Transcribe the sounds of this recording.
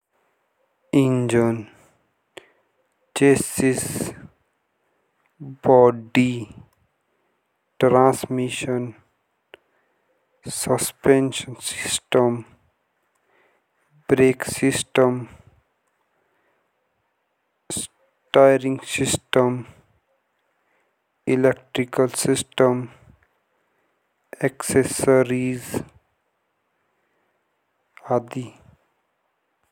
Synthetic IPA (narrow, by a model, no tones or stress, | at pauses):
ind͡ʒən | t͡ʃesis | bɔɖi | ʈɾãːsmiʃən | səspenʃənsisʈəm | bɾeksisʈəm | s | ʈajɾĩŋɡsisʈəm | ilek̚ʈɾikəlsisʈəm | eksesəɾiz | ad̪i